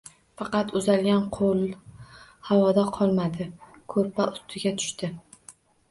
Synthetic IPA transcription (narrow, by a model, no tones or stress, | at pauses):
fɑqɑt̪ʊzalɡʲanqʰolˠ | hawɒd̪aqʰɒlˠmad̪ɪ | kʰɵɾpaʊst̪ʰɪɡʲat̪ʰʊ̥ʃt̪ɪ